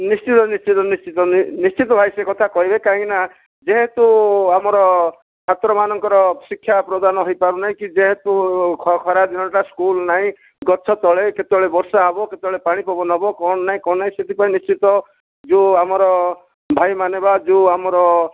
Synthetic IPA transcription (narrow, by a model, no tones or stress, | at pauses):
nist͡ʃit̪ɔnist͡ʃit̪ɔnist͡ʃit̪ɔnist͡ʃit̪ɔbʱajsekɔt̪ʰakɔɦibekaɦĩina | d͡ʒeɦet̪uamɔɾɔ | t͡ʃʰat̪ɾɔmanɔŋkɔɾɔsikʰːjapɾɔd̪anɔɦojpaɾunaɦĩkid͡ʒeɦet̪ukʰɔkʰɔɾad̪inɔɳʈaskulnaɦĩ | ɡɔsʰɔt̪ɔɭeket̪eɔɭebɔɾsaɦabɔket̪eɔɭepaɽ̃ipɔbɔnɦɔbɔkɔɳ̃ɔnaɦĩkɔɳɔnːaɦĩset̪ipaĩnist͡ʃit̪ɔ | d͡ʒuamɔɾɔ | bʱajmanebad͡ʒuamɔɾɔ